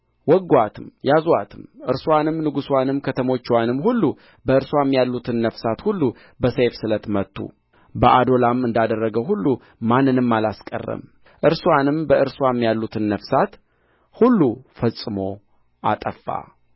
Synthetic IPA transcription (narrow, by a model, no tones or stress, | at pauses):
wɔɡːwat̪ʰɨmjazuwat̪ʰɨmʔɨɾswanɨmnɨɡuswanɨmkʰət̪ʰəmo̞t͡ʃːwanɨmhulːu | bəɨɾswamjalːut̪ʰɨnːəfsat̪hulːu | bəsejfsɨlət̪mət̪ʰʼːṵ | bəʔad̪o̞lamɨnd̪ad̪ərːəɡəwɦulːu | manːɨnɨmːalaskʼə̰rːə̰m | ʔɨɾswanɨmbəʔɨɾswamːjalːut̪ʰɨnːəfsat̪ | hulːufəsʼɨmo̞ | ʔa̰t̪ʼəfːa̰